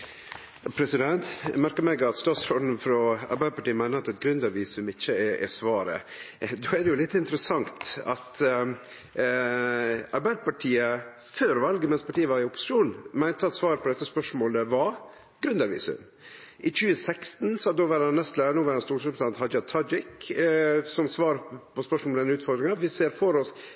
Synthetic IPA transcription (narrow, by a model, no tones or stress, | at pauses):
pʰɾɛsɪd̪ɛnt̪mæɾkəɾmɛɡɑt̪st̪ɔsɾɔɖ̪n̩fɾɔɑ̰ɾbæɪd̪əpɑʈiːəmæɪnəɾɑt̪ɛt̪ɡɾʉnd̪ɑɾʋiːsʉmɪçːəɛʔɛ̰sʋɑːɾə̰d̪oːɛd̪ɛjʊlɪt̪ːəɪnt̪əɾəsɑŋt̪ɑ̰t̪ | ɑɾbæɪd̪əpɑʈʰiːə | føːɾʋɑlɡəmɛnspʰɑʈʰiːəʋɑɾɪʊpʊ̥sɪ̥ʂuːnmæɪnt̪əɑt̪sʋɑːɾpʰɔd̪ɛt̪ːəspœʂmoːləʋɑ | ɡɾʉnd̪ɑɾʋḭːsʉ̰m | ʔɪt͡ʃʉːəsɛkst̪nsɔɑd̪oːʋæɾɑnːɛst̪læːɾnuːʋæːɾɑnst̪uːsʰɑnt̪hɑd͡ʒɑt̪ʰɑd͡ʒɪk | sɔmsʋɑːɾpʰɔspœʂmoɔld̪ɛnʉːt̪fɔɾɡ̪ɾɪŋɑʋɪseːɾfɔɾɔs